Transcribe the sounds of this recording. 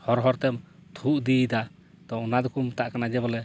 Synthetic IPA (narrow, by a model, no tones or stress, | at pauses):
hɔɾɦɔɾt̪ɛmt̪ʰuʔd̪id̪a | t̪ɔɔnad̪ukumt̪aʔkanad͡ʒɛbɔlɛ